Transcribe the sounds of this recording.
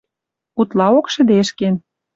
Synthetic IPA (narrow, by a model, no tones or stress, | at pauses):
ut̪lɑokʃə̆d̪eʃken